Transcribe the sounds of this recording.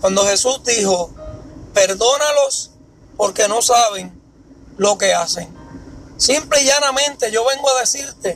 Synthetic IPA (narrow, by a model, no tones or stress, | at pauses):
kwand̪o̞he̞susd̪iho̞pe̞ɾðo̞nalo̞s | po̞ɾke̞no̞saβ̞e̞ŋ | lo̞ke̞ase̞ŋsimpleiʝanamẽ̞nt̪e̞ʝo̞βe̞ŋɡoaðe̞siɾt̪e̞